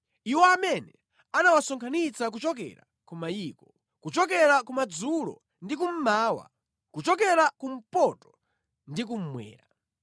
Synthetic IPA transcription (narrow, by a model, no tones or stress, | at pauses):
iwɔamɛnɛ | anawasɔŋkʰanit͡sak̬ut͡ʃɔk̬ɛ̰ɾa̰ | kumajiːkɔ | kut͡ʃɔk̬ɛɾakumad͡zulɔ̰ | ndik̬um̩maːwa̰ | kut͡ʃɔkɛɾakum̩pɔtɔ̥ | ndik̬um̩mwɛ̰ːɾa